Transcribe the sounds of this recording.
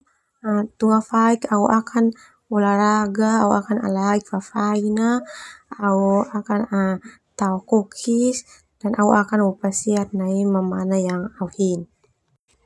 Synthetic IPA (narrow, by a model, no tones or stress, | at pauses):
at̪uŋafaikauʔakʰan | wɔlaɾaɡaːua̰kana̰laik̚fafainaauakana | t̪aɔkɔkʰis | d̥anʔauʔakanwɔpasiat̪̚naimamanajaŋauhin